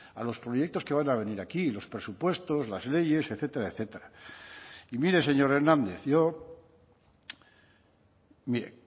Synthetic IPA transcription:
a̰lo̞spɾo̞je̞k̚t̪o̞ske̞β̞anaβ̞e̞niɾakilo̞spɾe̞supwe̞st̪o̞zlazle̞je̞seθe̞t̪eɾaeθe̞t̪eɾa | imiɾe̞se̞ɲo̞ɾe̞ɾnãnd̪e̞θʝo̞ | miɾe̞̰

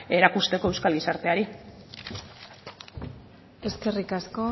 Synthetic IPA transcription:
e̞ɾakust̪e̞ko̞e̞wskalɣisaɾt̪e̞aɾi | e̞ske̞rikasko̞

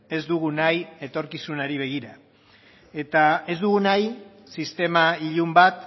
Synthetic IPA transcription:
e̞zd̪uɣunaje̞t̪o̞ɾkisunaɾiβ̞e̞ɣ̞iɾa | e̞t̪ae̞zd̪uɣunaj | sist̪e̞maiʎumbat̪

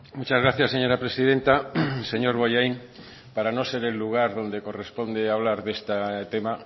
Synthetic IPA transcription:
mut͡ʃazɣɾaθjaseɲo̞ɾapɾesið̞ẽnt̪aseɲo̞ɾβojajn | paɾano̞seɾelːuɣ̞aɾðo̞nd̪e̞ko̞respo̞nd̪eaβ̞laɾðe̞st̪at̪ema

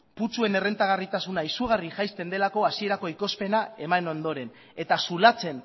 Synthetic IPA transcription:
put͡sue̞ne̞re̞nt̪aɣ̞arit̪asunaisuɣ̞ariʝajst̪e̞nd̪e̞lako̞asie̞ɾako̞iko̞spe̞nae̞mano̞nd̪o̞ɾe̞n | e̞t̪asulat͡se̞n

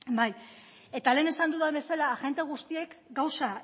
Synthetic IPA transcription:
baj | e̞t̪ale̞ːne̞sand̪uðaβe̞salaʝe̞nt̪e̞ɣ̞ust̪ie̞kɡawsa

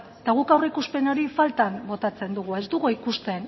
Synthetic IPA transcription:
t̪aɣukawreikuspe̞noɾifalt̪ambo̞t̪at͡se̞nd̪uɣ̞ue̞zd̪uɣoikust̪e̞n

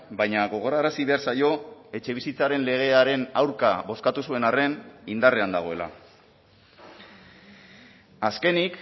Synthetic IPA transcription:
bajɲaɣo̞ɣ̞o̞ɾaːɾasiβe̞aɾsajo̞e̞t͡ʃe̞β̞isit͡saɾe̞nle̞ɣ̞e̞aɾe̞nawɾkaβo̞skat̪usue̞nare̞nind̪are̞and̪aɣ̞o̞e̞la̰ | aske̞nik

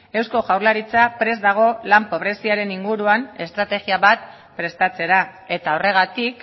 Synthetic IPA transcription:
e̞wsko̞ʝawɾlaɾit͡sapɾe̞zd̪aɣ̞o̞lampo̞β̞ɾe̞siaɾe̞niŋɡuɾuane̞st̪ɾat̪e̞ɣiaβat̪̚ | pɾe̞st̪at͡se̞ɾae̞t̪ao̞re̞ɣ̞at̪ik

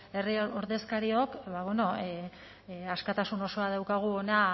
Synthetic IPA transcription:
e̞rioɾðe̞skaɾio̞kβaβono̞ | askat̪asuno̞so̞aðawkaɣ̞uona

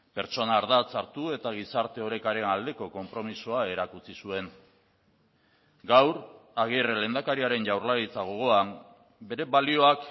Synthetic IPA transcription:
pe̞ɾt͡ʃo̞naːɾðat͡saɾt̪ue̞t̪aɣ̞isaɾt̪e̞o̞ɾe̞kaɾe̞nald̪e̞ko̞ko̞mpɾo̞misoae̞ɾakut͡sisue̞ŋ | ɡawɾaɣ̞irele̞nd̪akaɾiaɾe̞nʝawɾlaɾit͡saɣ̞o̞ɣ̞o̞am | be̞ɾe̞βalio̞ak

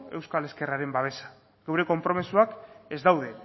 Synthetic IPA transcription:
e̞wskale̞ske̞raɾe̞mbaβ̞e̞sḁ | ɣewɾe̞ko̞mpɾo̞misuake̞zd̪awð̞e̞

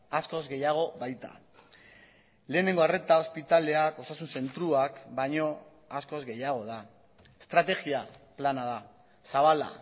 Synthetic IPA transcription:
asko̞zɡe̞jaɣ̞o̞βajt̪a̰ | le̞ːne̞ŋɡo̞are̞t̪ao̞spit̪ale̞ako̞sasunse̞nt̪ɾuakbaɲo̞ | asko̞zɡe̞jaɣ̞o̞ð̞a | est̪ɾat̪e̞ɣiaplanað̞a | saβ̞ala̰

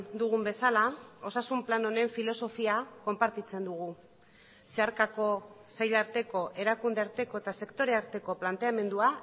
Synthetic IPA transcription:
d̪uɣ̞umbe̞salao̞sasumplano̞ne̞ɱfilo̞so̞fiako̞mpaɾt̪it͡se̞nd̪uɣ̞u | se̞aɾkako̞sajʎaɾt̪e̞ko̞ʔe̞ɾakund̪e̞aɾt̪e̞ko̞e̞t̪ase̞kt̪o̞ɾeaɾt̪e̞ko̞plant̪e̞ame̞nd̪ua

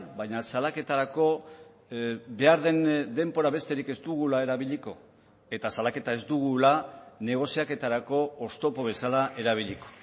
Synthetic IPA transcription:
bajɲasalake̞t̪aɾako̞ | be̞aɾðe̞nd̪e̞mbo̞ɾaβe̞st̪e̞ɾike̞zd̪uɣ̞ulae̞ɾaβiʎiko̞ | e̞t̪asalake̞t̪ae̞zd̪uɣulane̞ɣ̞o̞siake̞t̪aɾako̞ːst̪o̞po̞βe̞salaʔe̞ɾaβ̞iʎiko̞̥

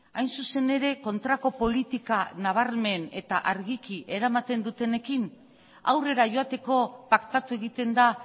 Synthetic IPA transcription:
ajnsuse̞ne̞ɾe̞ko̞nt̪ɾako̞po̞lit̪ikanaβ̞aɾme̞ne̞t̪aʔaɾɣikiʔe̞ɾamat̪e̞nd̪ut̪e̞ne̞kin | awre̞ɾaʝo̞at̪e̞ko̞pakt̪at̪ue̞ɣ̞it̪e̞nd̪a

